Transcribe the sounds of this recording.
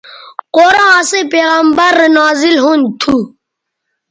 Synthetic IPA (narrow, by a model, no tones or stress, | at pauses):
qoːɾɑ̃ːɐsepeːɣɐmbɐɾnaːzilɦont̪ʰu